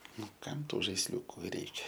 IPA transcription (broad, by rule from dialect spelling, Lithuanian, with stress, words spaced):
ˈnʊ ˈkɐm ˈtuː ʒɐɪsʲˈlʲuːkʊ ˈrʲɛɪkʲɛ